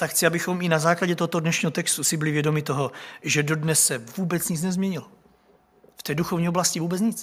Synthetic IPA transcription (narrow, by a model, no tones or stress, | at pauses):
t̪akxt͡sɪabɪxomɪnazaːklaɟɛt̪oɦot̪odnɛʃɲiːɦot̪ɛkst̪usɪbɪlɪvjɛdo̞mɪt̪oɦo̞ʒɛdo̞dnɛsːɛvuːbɛt͡sɲɪt͡snɛzmɲɛɲɪlo | ft̪ɛːduxovɲiːoblascɪvuːbɛt͡sɲɪt͡s